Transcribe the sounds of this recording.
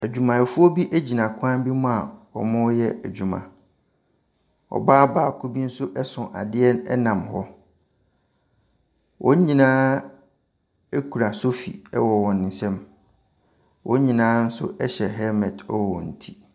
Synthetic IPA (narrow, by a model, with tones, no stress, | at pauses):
æ˨d͡ʑᶣu˨mã˨ɛ˨fu˦ɔ˦bi˦ʔæ˦d͡ʑi˨nã˨kʷʰʊ˦ã˦m˦bi˦mʊ̃˦a˨wɔ˨mʊ̃˦jɛ˦ʔæ˨d͡ʑᶣu˨mã̰˨ | ɔ̰˨baː˦baː˨kʰʊ˦bi˦n̩˦sʊ˦ʔɛ˦sʊ̃˨ʔa̰˨dɪ˦ɛ˦nɛ̰˦nã˨mhɔ˦ | wʔɔ̰̃˦ɲ˦ɲĩ˨nãː˦ | e˦kʰu˨ɾa˨so˦fḭ˨ɛ̰˦wɔ˨wɔ̃˨nɪ̃˨sɛ̃˦m | wʔɔ̰̃˦ɲ˦ɲĩ˨nãː˦n̩˦sʊ̰˦ʔɛ˦ɕɛ˨ɦɛ˦mɛ˨dɛ˦wwɔ̰̃˨n̩˨tʰi̥˦